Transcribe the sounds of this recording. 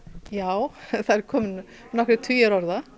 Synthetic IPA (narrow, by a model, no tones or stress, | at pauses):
jaːwθaɛɾkʰɔːmɪn | nɔkɾɪt̪ʰʏjaɾɔɾða